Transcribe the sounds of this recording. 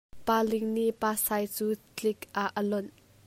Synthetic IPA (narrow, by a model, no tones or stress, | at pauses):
paːlɪŋniʔpaːsaːjt͡suː | t͡ɬɪkʔaʔəlɔn